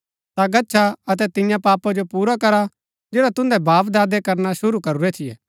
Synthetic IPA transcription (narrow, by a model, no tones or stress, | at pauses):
t̪aɡɐtːʃʰaɐt̪ɛt̪ɪjãpaːpad͡ʒopuːɾakɐɾa | d͡ʒeːɽat̪ʊ̃nd̪ɛbaːpd̪aːd̪ekɐɾnaʃʊɾukɐɾuɾɛt̪ʰɪjɛ̰ː